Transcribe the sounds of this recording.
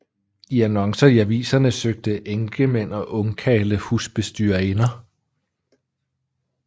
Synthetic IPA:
iænɒ̽ŋsɐiæʋḭːsɐnəsøɡ̥̚d̥əʔeŋɡ̥əmenɒ̽ʔɔ̽ŋkʰɛ̰ːləhusb̥e̝sd̥yːɐe̝nɐ

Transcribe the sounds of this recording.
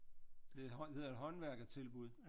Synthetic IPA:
d̥e̝he̝ð̰ˠɐedɦɒ̽nʋæɐɡ̥ðˠt͡sʰe̝lb̥uð̰ˠ

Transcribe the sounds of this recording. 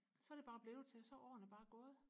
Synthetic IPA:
sɒ̽æɾ̥e̝b̥ɑ̈ːb̥le̝ʊt͡sʰe̝sɒ̽ʔɒ̰ːnəb̥ɑ̈ːɡ̥ɔːð̞̩ˠ

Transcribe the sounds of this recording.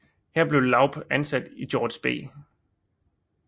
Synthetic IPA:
hɛɐb̥leʊlɑ̈ʊb̥ænsæd̥id̥jɒːd̥sb̥e̝̰ː

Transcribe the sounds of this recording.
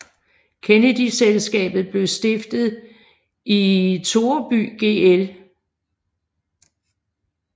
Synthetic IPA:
kʰenəd̥iselsɡ̥ɛ̰ːb̥ð̩ˠb̥le̝ʊsd̥e̝fd̥ð̩ˠ | ʔit͡sʰo̝ːɐb̥y̰ːɡ̥e̝̰el

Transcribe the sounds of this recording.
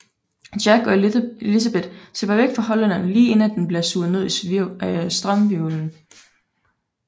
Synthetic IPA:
d̥æɡ̥ɒ̽elis̬æb̥e̝d̥seb̥ɐʋeɡ̥fɑ̈ɦɒ̽lænænliːe̝næd̥enb̥liɐsuːð̩ˠne̝ð̰ˠi | sd̥ʁɑmʋiln̩

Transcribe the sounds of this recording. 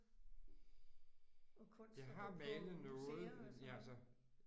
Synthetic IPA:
jɑ̈ɪɦɑ̈mɛlð̩ˠnɔ̽ːð̩ˠjælsə

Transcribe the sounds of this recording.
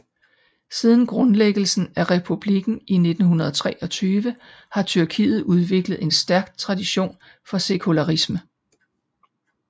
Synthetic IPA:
sið̞ˠn̩ɡ̥ʁɔ̽nleɡ̥l̩sn̩æʁɛpʰub̥liɡ̥n̩ine̝d̥n̩ɦunɐð̞ˠɒt͡sʰʁɛːʔɒ̽t͡sʰyːʋə | hɑ̈t͡sʰyɐkʰḭːð̞̩ˠuð̞ˠʋe̝ɡ̥ləð̩ˠe̝nsd̥æɐɡ̥t͡sʰʁɑ̈d̥iɕo̝̰ːn | fɒ̽se̝kʰulæʁismə

